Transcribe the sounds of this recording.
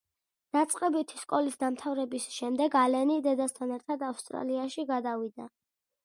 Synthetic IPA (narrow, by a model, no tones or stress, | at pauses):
d̪̥at̪sʼqʼɛbit̪ʰiskʼɔlisd̪amt̪ʰavɾɛbisʃɛmd̪ɛɡalɛnid̪ɛd̪ast̪ʰanɛɾt̪ʰad̪afst̪ʼɾa̰liaʃiɡad̪avid̪a